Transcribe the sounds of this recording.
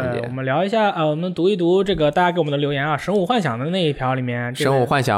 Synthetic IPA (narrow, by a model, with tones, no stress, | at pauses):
ḛ˥˧w̰ɔ˨˩mə˦nljɑ˧˥ʊi˧˥ɕ̬ja˥˩ə˥˧˩wɔ˨˩mə˦n˧t̪u˧˥i˥˩t̪u˧˥ʈ͡ʂɤ˥˩ɡə˩t̪a˥˩t͡ɕjkwɔ˨˩d̪ə˧ljo˧˥ʊjɛ˧˥nɐ˥˧˩ʂɤ˧˥ŋu˨˩xwa˥˩nɕjɑ˨˩ŋd̪ə˦ne˥˧ɪi˥˩pʰjɑ˧˥ʊli˨˩mjɛ˥˩˧nʈ͡ʂʂə˧˥ŋu˨˩xwa˥˩nɕjɑ̰˨˦